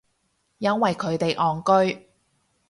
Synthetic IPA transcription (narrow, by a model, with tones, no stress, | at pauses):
jɐ˥nwɐ˨jkʰɵ˨˧˥ɥt̪e˨jʔɔː˨˩ŋkɵ˥ɥ